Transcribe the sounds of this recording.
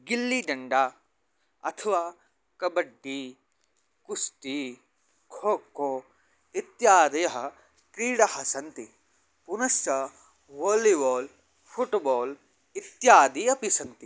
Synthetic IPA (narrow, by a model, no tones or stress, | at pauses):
ɡilːiɖɐɳɖaː | ɐ̰t̪ʰɐʋaː | kɐbɐɖːi | kust̪i | kʰoːkoː | it̪jaːd̪ɐjɐɦɐ | kɾiːɽɐhɐsɐnt̪i | punɐsɐ | ʋoːliʋoːl | pʰuʈboːl | it̪jaːd̪iɐpisɐnt̪i